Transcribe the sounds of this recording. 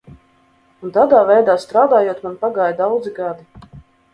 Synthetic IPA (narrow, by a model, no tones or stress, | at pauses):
unt̪aːd̪aːvɛjd̪aːst̪ɾaːd̪aːjuɔt̪manpaɡaːjd̪awd̪ziɡad̪i